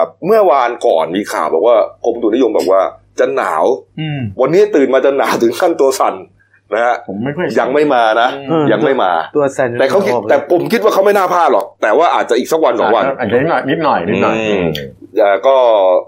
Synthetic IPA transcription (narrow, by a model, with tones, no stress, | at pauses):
p̚mɯ˥˩ɐwaː˧nkɔ̰ː˨˩nmiː˧kʰa̰ː˨˩wbɛː˨˩k̚waː˥˩kʰo˧md̪uː˧˩ni˦˥jo˧mbɛː˨˩k̚waː˥˩ | t͡ɕa˧nːa̰ː˩˦wwa˧nːiː˦˥t̪ɯː˨˩nmaː˧t͡ɕa˧nːa̰ː˩˦wt̪ʰɯ˩˦ŋkʰaː˥˩nt̪u˧ɐsa˨˩n | na˦˥ha˦˥ʔʰja˧ŋma˥˩jmaː˧na˦˥˧ja˧ŋma˥˩jmaː˧t̪ːɛː˨˩kʰa˥wkʰi˦˥ɛː˨˩pʰo˨˧˦mkʰi˦˥t̪̚waː˥˩a˥wma˥˩jnaː˥˩pʰaː˥˩t̪̚lɔ˨˩k̚t̪ɛː˨˩waː˥˩ʔa̰ː˨˩t̪̚t͡ɕa˨ʔiː˨˩sa˦k̚wa˧nsɔː˨˧˦ŋwa˧n˨˩˧ni˦˥t̪̚nɔ˨˩ji˦˨˧ | ʔaː˨˩kɔː˥˩